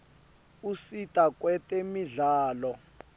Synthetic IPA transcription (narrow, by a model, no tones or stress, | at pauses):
usitʼakʼwɛtʼɛmiɮaːlɔ